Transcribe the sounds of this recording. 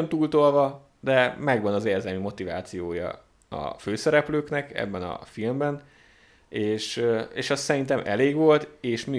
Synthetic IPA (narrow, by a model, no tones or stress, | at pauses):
ont̪uːlt̪olvɒ | d̪ɛmɛɡʋɒnɒzeːrzɛlmymo̞t̪ivaːt̪sijoːjɒ̰ | ɒ̰føːsɛɾɛpløːknɛkɛ̰bːɛnɒ̰filmbɛn | eːʃeːʃɛssɛɾint̪ɛmʔɛ̰leːɡʋo̞lt̪eːʃmi